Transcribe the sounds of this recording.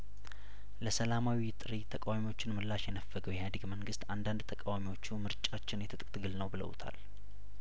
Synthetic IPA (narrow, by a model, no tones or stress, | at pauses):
ləsəlamawit̪ʼɨɾit̪ʰəkʼawamiwo̞t͡ʃːɪnmɨlːaʃjɛnəfːəɡəwjɛhad̪əɡməŋɡɨst̪and̪and̪t̪ʰəkʼawamiwo̞t͡ʃːumɨɾt͡ʃʼat͡ʃːɪnjɛt̪ʰɨt̪ʼkʼt̪ɡɨlnəwbɨlə̰wt̪ʰa̰l